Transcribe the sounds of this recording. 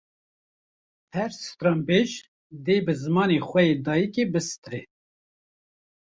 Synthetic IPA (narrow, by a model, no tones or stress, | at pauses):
hɛɾsɨ̥t̪ɾɑmbeːʒ | d̪eːbɨzɨmɑːneːxʷwɛjeːd̪ɑːjikeːbɨsɨ̥t̪ɾeː